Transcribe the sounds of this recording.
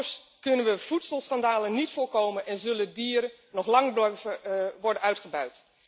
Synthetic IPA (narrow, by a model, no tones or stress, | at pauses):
skɵnənʋəv̥utsəlˠsχɑndaːlənːitfʊːɹkowmənʔɛnzɵlədiːɾə | nɔχlɑŋb | ʋɔɹdənœɥtχəbœɥt